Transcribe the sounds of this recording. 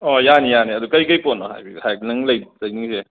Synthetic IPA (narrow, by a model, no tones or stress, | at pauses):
ɔjanijaniɐdukɐjkɐjponɔɦa̰jbʰihajnɐŋlɐjzɐjniŋse